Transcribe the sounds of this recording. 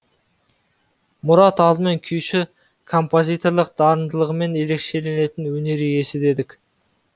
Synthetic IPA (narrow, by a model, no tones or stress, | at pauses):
mʊɾɑt̪ɑlˠd̪əme̞ŋkʲʰʏjʃɪ | kʰo̞mpo̞zʲijt̪o̞ɾlˠəq̚d̪̥ɑɾənd̪əlˠəʁəme̞ne̞le̞kʃe̞le̞ne̞t̪ɪnwɵne̞ɾije̞sɪd̪e̞d̪ɪkʲ